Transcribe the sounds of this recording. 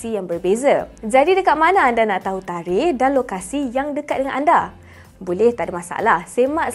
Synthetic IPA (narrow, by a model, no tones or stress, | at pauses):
sijaŋbərbezad͡ʒadidəkat̪̚manaːndanaʔt̪aɦut̪aɾɪhdanlokasijaŋdəkat̪̚dəŋanʔanda | bolɛht̪adamãsa̰lahsemaʔ